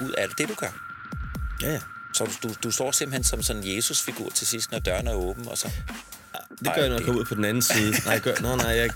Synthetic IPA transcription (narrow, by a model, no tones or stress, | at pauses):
uð̞̰ˠæl̰d̥e̝dɾ̥uɡ̥ɶɐ | jæsɒ̽d̥ud̥usd̥ɒ̰ːsemb̥l̩hensɒ̽msɒ̽nnje̝ːsusfiɡ̥ṵɐt͡sʰe̝sisd̥nɒd̥ɶɐnæɐɔ̽ːb̥n̩ɒ̽sɒ̽ | d̥eɡɶɐjanɒjakʰɒ̽muð̰ˠpʰɒ̽den̩ænn̩siːð̩ˠənɑɪdɡ̥ɶɐnanɑ̈ɪ̰jɑ